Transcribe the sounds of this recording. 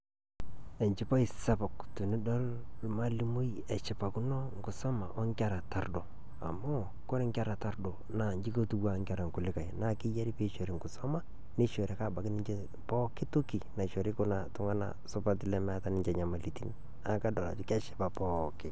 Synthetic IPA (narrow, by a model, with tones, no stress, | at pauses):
ɛ˨ɲt͡ʃɪ˦pa˦i˨sa˦pɔ˨ktu˨nɪ˦dɔ˦llma˦li˦mo˦jɛ˨t͡ʃɪ˨pa˨ku˦nɔ˦ŋ˦ɡʊ˨sɔ˦ma̰˨ʔɔ˦ŋka˦ɾa˨ta˦ɾdo˨ | a̰˨mo˦ | ko˦ɾɛ˦ŋka˦ɾa˨ta˦ɾdo˨ | na˨ɲd͡ʒi˦ko˦tu˦wa˨ŋɡa˨ɾa˨ŋ˨kʊ˨lɪ˦ka˨jna˦kɪ˦ja˦ɾi˦pe˦ʃo˨ɾɪ˨ŋɡʊ˨sɔ˦ma˦ | nɪ˦ʃo˨ɾɛ˨ka˦˨ba˨kɪ˦nɪ˦ɲd͡ʒe˦ | pɔː˦kɪ˦tu˦ki˨na˨ʃo˨ɾɪ˦kʊ˦na˨tʊ˦ŋa˦na̰˨sʊ˦pa˦tɪ˦lɛ˦mː˦ta˦nɪ˦ɲd͡ʒɛ˨ɲa˨ma˨li˨ti˦n | a˨ka˦dɔ˨la̰˨d͡ʒʊ˨˦kɛ˦ʃɪ̥˨pa˨pɔː˦kɪ˦